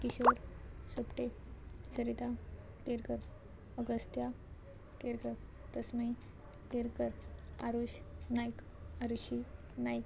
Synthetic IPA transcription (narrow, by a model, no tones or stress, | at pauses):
kiɕoɾsupʈe | t͡ɕʰəɾit̪a | t̪eɾkəɾ | əɡəst̪ja | keɾkəɾ | t̪əsməi | t̪eɾkəɾa̰ɾuɕnajk | aɾuɕi | najk